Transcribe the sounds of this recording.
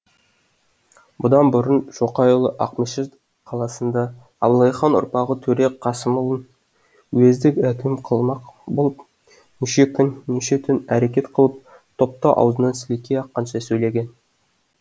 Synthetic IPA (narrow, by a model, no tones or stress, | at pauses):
bʊd̪ɑnbʊɾənʒ̥o̞qɑjolˠəʔɑ̰qməʃɪ | qʰɑlˠɑsənd̪ɑ | ɑblˠɑjχɑnʊ̰ɾpɑʁət̪ʰɵɾe̞kqʰɑsəməlˠən | wezd̪ɪkʲækʲɪmqʰəlˠmɑqbolˠəp | mʏʃekkʲʰɪnneʃe̞t̪ʰʏnæɾe̞kʲe̞t̪qʰəlˠəp̚ | t̪ʰo̞p̚t̪ɑʔɑ̰wzənɑnsɪlikʲːeɑqːɑnʃɑsɵjle̞ɡʲe̞n